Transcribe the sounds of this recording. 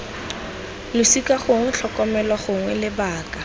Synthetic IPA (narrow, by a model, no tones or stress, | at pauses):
lʊsikaχʊŋwɛɬʰɔkɔmɛlwaχʊŋwɛlɪbaːkʼa